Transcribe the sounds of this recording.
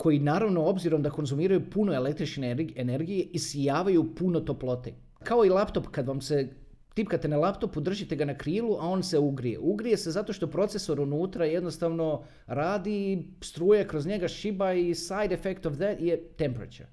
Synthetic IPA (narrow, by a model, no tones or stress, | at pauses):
kʰo̞jinaːɾaʋno̞o̞bziɾo̞md̪ako̞nzumiːɾajupunoe̞lek̚t̪ɾit͡ʃneene̞ɾɡije̞ʔisijaːʋajupuno̞t̪o̞plo̞t̪ḛ | kao̞ilˠapt̪o̞pkad̪ʋamse̞ | t̪ipkat̪e̞nalˠapt̪o̞pud̪r̩ʒit̪e̞ɡanakɾiːlˠuʔao̞ːnse̞uɡɾije̞̰ʔuɡɾije̞se̞zat̪o̞ʃt̪o̞pɾo̞t̪se̞so̞ɾunuːt̪ɾaje̞d̪nost̪aʋno̞ | ɾaːd̪ist̪ɾuːjakɾo̞zɲe̞ɡaʃibaisajd̪efekt̪oʋd̪ɛt̪jet̪empɾa̰t͡ʃṵɾ